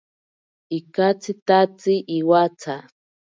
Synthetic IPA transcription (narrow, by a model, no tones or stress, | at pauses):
ikat͡sit̪at͡siʔiwat͡sʰa